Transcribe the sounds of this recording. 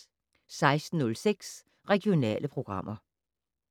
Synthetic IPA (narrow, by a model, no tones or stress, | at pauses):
sɑ̈ɪsd̥n̩ːɔ̽lseɡ̥s | ʁɛɡ̥io̝nɛ̰ːlʔəpʰʁo̝ɡ̥ʁɑ̈m̰ʔɐ